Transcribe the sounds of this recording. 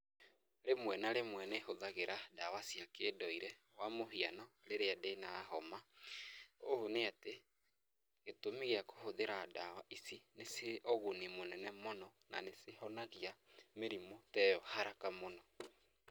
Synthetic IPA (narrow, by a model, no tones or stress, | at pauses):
ɾemwɛnaɾemwɛnehoðaɣeɾʔadawasjakeːdɔiɾɛ | wamoɦianɔ | ɾeɾeadenaːɦɔma | ohoneate | ɣetomiɣeako̥hoðeɾadawaisineseʔɔɣonimonɛnɛmonɔna̰nesehɔnaɣiameɾimotɛːjɔhaɾakamonɔ